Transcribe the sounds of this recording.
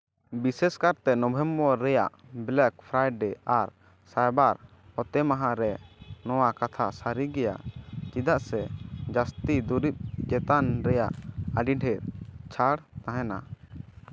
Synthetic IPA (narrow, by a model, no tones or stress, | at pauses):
bisɛskaɾt̪ɛnɔbʱɛmbɔɾɛjaʔblɛk̚pʰɾajɖɛaɾ | sajbaɾ | hɔt̪ɛmaɦãɾɛnɔwakat̪ʰasaɾiɡɛja̰t͡ʃid̪aʔsɛd͡ʒast̪id̪uɾip̚d͡ʒɛt̪anɾɛjaʔaɖiɖʱɛɾt͡ʃʰaɽt̪aɦɛna